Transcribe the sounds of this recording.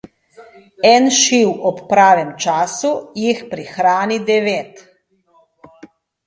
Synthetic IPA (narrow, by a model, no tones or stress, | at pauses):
ɛnʃiwɔpːɾaːʋɛmt͡ʃaːsujixpɾixɾaːnid̪ɛʋeːt̪